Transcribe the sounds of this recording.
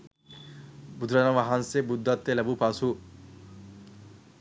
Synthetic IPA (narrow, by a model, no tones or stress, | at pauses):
bud̪ʱɾanaʋaɦansebud̪ːat̪ːelɐbupasu